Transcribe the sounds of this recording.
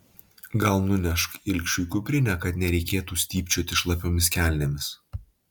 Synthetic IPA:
ɡɐlˠnʊnʲɛʃkɪlʲkʲʃʲuːkʲupʲɾʲɪnʲɛkɐt̪nʲɛɾʲɛɪkʲeːt̪uːsʲt̪ʲiːpʲt͡ʃʲoːt̪ʲɪʃlˠɐpʲoːmʲɪskʲæˑlʲnʲemʲɪs

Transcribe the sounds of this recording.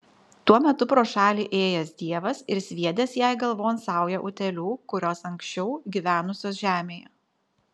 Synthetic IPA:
t̪uɔmʲɛt̪ʊpɾoːʃɑːlʲiːʔeːjɛsd̪ʲiɛʋɐsɪɾsʲʋʲiɛd̪ʲeːsjæˑɪɡɐlˠʋoːnsɑˑʊjɛʔʊt̪ʲɛlʲuːkʊɾʲoːsɐŋʲksʲt͡ʃʲɛʊɡʲiːʋʲæːnʊsʲoːsʒʲæːmʲeːjɛ

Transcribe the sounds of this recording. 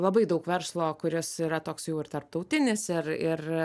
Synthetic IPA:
lˠɐbɐɪd̪ɐʊkʋʲɛrslˠoːkʊɾʲɪsiːɾɐt̪oːksjɛʊɪrt̪ɐrp̚t̪ɐʊt̪ʲɪnʲɪsɪrɪr

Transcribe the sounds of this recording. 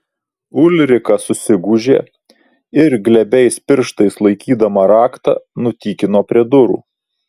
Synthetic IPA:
ʊlʲɾʲɪkɐsʊsʲɪɡuːʒʲeː | ɪɾɡlʲɛbʲɛɪspʲɪɾʃt̪ɐɪslˠɐɪkʲiːd̪ɐmɐɾɑːkt̪ɑ̰nʊt̪ʲiːkʲɪnoːpʲɾʲiɛd̪ʊɾṵː

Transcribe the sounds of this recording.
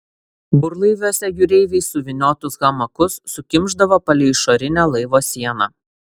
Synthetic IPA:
bʊɾlˠɐɪʋʲoːsʲɛjʊɾʲɛɪʋʲɛɪsʊʋʲɪnʲoːt̪ʊsɣɐmɐkʊsːʊkʲɪmʲˑʒd̪ɐʋoːpɐlʲɪɪʃoɾʲɪnʲæːlˠɐɪʋoːsʲiɛnɐ

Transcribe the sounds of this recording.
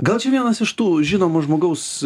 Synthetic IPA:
ɡɐlˠt͡ʃʲɛʋʲiɛnɐsɪʃt̪uːʒʲɪnoːmɐʒmoːɡɐʊs

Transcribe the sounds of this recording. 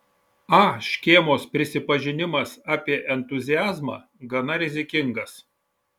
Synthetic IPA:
ɑːʃʲkʲeːmoːspʲɾʲɪsʲɪpɐʒʲɪnʲɪmɐsɑːpʲiɛʔɛnt̪ʊzʲɪjæːzmɑ̰ː | ɡɐnɐɾʲɪzʲɪkʲɪŋɡɐs

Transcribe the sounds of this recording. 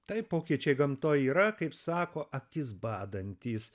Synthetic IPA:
t̪ɐɪpoːkʲiɛt͡ʃʲɛɪɡɐmt̪oːjiːɾɐkɐɪpsɑːkoːʔɐkʲɪsbɑːd̪ɐnʲt̪ʲiːs

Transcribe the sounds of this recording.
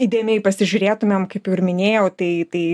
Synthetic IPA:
id̪ʲeːmʲɛɪpɐsʲɪʒʲʊɾʲeːt̪ʊmʲeːmkɐɪpjʊɪɾmʲɪnʲeːjɛʊt̪ɐɪt̪ɐɪ

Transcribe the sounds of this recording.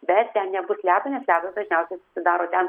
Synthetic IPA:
bʲɛt̪tʲɛnnʲɛbʊslʲæːt̪unʲɛslʲæːt̪ɐsd̪ɐʒʲnʲɛʊsʲɛɪsʊsʲɪd̪ɑːɾoːt̪ʲɛn

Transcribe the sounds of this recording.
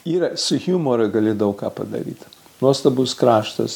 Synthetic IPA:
iːɾɐsʊxʲjuːmoːɾɐɡɐlʲɪd̪ɐʋʊkɑːpɐ̰d̪ɐ̰ɾʲḭːt̪ | nuɔst̪ɐbʊskɾɑːʃt̪ɐ̰s

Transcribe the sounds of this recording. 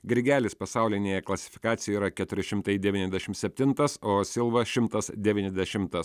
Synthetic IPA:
ɡʲɾʲɡʲæːlʲɪspɐsɑˑʊlʲɪnʲeːjɛklˠɐsʲɪ̥fʲɪ̥kɑːt̪sʲɪjɛiɾɐkʲɛt̪ʊɾʲɪʃʲɪmt̪ɐɪd̪ʲɛʋʲiːnʲɛzʲd̪ʲɛʃʲɪmsʲɛpʲt̪ʲɪnt̪ɐsoːsʲɪlˠʋɐʃʲɪmt̪ɐsd̪ʲɛʋʲiːnʲɛzʲd̪ʲɛʃʲɪmt̪ɐs

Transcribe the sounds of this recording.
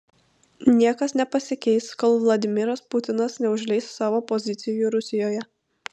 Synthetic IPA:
nʲiɛkɐsnʲɛpɐsʲɪkʲɛɪskɔlˠʋlˠɐd̪ʲɪmʲɪɾɐspʊt̪ʲɪnɐsnʲɛʊʒʲlʲɛɪssɑːʋoːpɔzʲɪt̪sʲɪjuɾʊsʲɪjoːjɛ

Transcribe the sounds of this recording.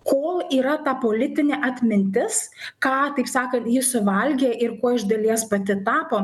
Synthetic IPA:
koːlˠiːɾɐt̪ɑpoːlʲɪt̪ʲɪnʲeːʔɐt̪ʲmʲɪnʲt̪ʲɪskɑːt̪ɐɪpsɑːkɐnt̪jɪsʊʋɐlʲɡʲeʔɪrkoːɪʒd̪ɐlʲiɛspɐt̪ʲɪt̪ɑːpoː

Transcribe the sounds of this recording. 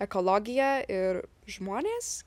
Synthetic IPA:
ɛkoːlˠɔɡʲɪjɛɪɾ | ʒmoːnʲeːs

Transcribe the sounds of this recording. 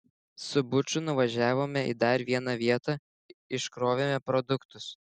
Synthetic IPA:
sʊbʊt͡ʃʲʊnʊʋɐʒʲæːʋoːmʲɛḭd̪ɐɾʋʲiɛnɐʋʲiɛt̪ɐ | ɪʃkɾoːʋʲemʲɛpɾɔd̪ʊkt̪ʊs

